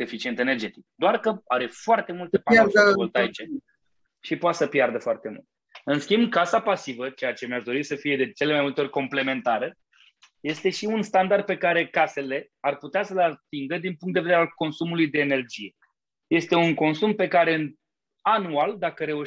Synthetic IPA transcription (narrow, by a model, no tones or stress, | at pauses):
efit͡ʃie̞nt̪e̞nerd͡ʒe̞t̪ik̚d̪oarkəaɾe̞foart̪e̞mult̪epault̪ait͡ʃe | ʃipoat̪səpjard̪əfoart̪e̞mṵlt̪ | ɨnskʲimbkasapasivət͡ʃe̞jat͡ʃe̞mjaʃd̪o̞ɾisəfije̞d̪e̞t͡ʃe̞le̞majmult̪eo̞rʲko̞mple̞me̞nt̪aɾə | je̞st̪e̞ʃiunst̪and̪ard̪̚pe̞kaɾe̞kase̞le̞ | arput̪easəleat̪iŋɡəd̪inpuŋk̚t̪d̪ved̪eɾalko̞nsumulujd̪e̞ːne̞rd͡ʒije̞ | je̞st̪e̞uŋko̞nsumpe̞kaɾe̞ɨn | anuald̪akəɾeuʃ